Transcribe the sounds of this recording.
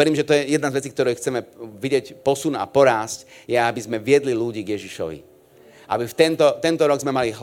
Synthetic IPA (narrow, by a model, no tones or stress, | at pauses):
ɛɾiːmʒɛt̪ɔjɛjɛd̪nazʋɛt͡siːk̚t̪ɔɾɛjxt͡sɛmɛʋiɟɪɛcpɔsuna̰pɔɾaːscjɛabizmɛʋɪɛd̪liluɟiːɡjɛʒiʃɔ̰ʋḭ | ʔa̰bift̪ɛnt̪ɔt̪ɛnt̪ɔɾɔɡzmɛmaliɦ